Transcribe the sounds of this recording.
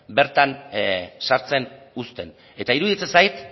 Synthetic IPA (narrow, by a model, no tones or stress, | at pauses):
be̞ɾt̪ansaɾt͡se̞n | ust̪e̞n | e̞t̪aiɾuðit͡sesajt̪